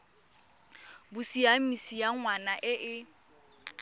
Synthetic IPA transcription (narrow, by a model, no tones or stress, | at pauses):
bʊsiam̩isijaŋwanaʔɪʔɪ